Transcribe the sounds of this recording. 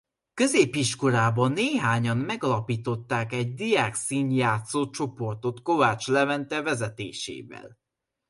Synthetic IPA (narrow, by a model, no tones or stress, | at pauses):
kø̞zeːpiʃko̞ɾaːbɒnːeːɦaːɲɒnmɛɡɒlɒpiːt̪o̞t̪ːaːkɛɟ̚d̪ijaːksiːnjaːt̪soːt͡ʃo̞po̞rt̪o̞t̪ko̞vaːt͡ʃlɛvɛnt̪ɛvɛzɛt̪ḛːʃḛːvɛ̰l